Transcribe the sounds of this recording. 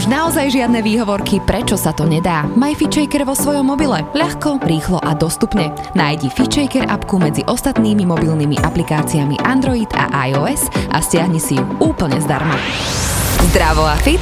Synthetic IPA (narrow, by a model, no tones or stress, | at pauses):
uʒnaɔzajʒɪad̪̚nɛʋiːɦɔʋɔɾkipɾɛt͡ʃɔsat̪ɔɲɛd̪aːmajfit͡ʃɛjkɛɾʋɔsʋɔjɔmːɔbilɛʎaxkɔɾiːxlɔʔad̪ɔst̪upɲɛ | naːjɟifit͡ʃɛjkɛɾa̰pkumɛd͡ziʔɔst̪at̪niːmimɔbilnimḭʔaplikaːt͡siamḭʔand̪ɾɔid̪a̰ʔajɔɛzʔa̰scɪaɦɲisijuuːpl̩ɲɛzd̪a̰ɾma | zd̪ɾaʋɔafit̪